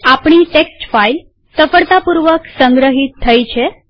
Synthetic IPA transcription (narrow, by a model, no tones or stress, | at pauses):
apɳ̃iːʈeksʈfail | səfəɭt̪apuɾʋəksəŋɡɾəɦit̪ʰːəjt͡ɕʰe